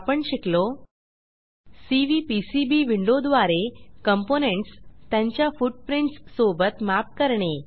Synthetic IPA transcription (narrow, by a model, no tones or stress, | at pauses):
pəɳɕiklo | siʋipisibiʋiɳɖod̪ʋaɾekəmponeɳʈst̪jãɲt͡ɕjafuʈ̚pɾiɳʈssobət̪map̚kəɾɳe